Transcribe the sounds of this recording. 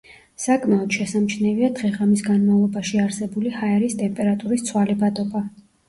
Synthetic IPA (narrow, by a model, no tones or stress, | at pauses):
sakʼmaɔd̪̥ʃɛsamt͡ʃʰnɛviad̪̥ʁɛʁamisɡanmavlˠɔbaʃiaɾsɛbulihaɛɾist̪ʼɛmpʼɛɾat̪ʼuɾist̪sʰwalibat̪ʼɔba